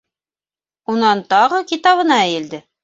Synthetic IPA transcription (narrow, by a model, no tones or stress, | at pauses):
unɑnt̪ɑʁɤkit̪ɑβɤ̆nɑɘjɘ̆ld̪ɘ